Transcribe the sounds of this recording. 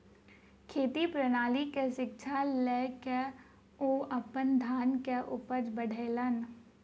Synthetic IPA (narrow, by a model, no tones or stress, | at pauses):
kʰeːt̪ipɾɐnaːlikeʃɪk̚t͡ʃʰalɛke | oːɐpənd̪ʱaːnkeʔʊpəd͡ʒbəɽʱeːlən